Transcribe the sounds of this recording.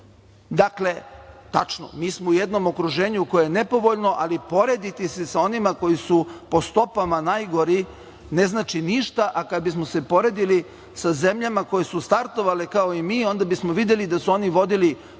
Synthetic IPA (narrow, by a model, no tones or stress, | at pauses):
d̪akle̞t̪at͡ʃno̰miːsmoujed̪no̞mo̞kɾuʒe̞ːɲuko̞jojene̞po̞ʋo̞ʎno̞ʔalipo̞ɾe̞d̪it̪isesao̞nimako̞jisupo̞st̪o̞pamanajɡo̞ɾi | ne̞znaːt͡ʃiniʃt̪aʔakad̪bismose̞po̞ɾe̞ːd̪ili | saze̞mʎamako̞jesust̪aɾt̪o̞ʋalekao̞imiːo̞nd̪abismoʋid̪je̞lid̪asuo̞niʋo̞d̪ili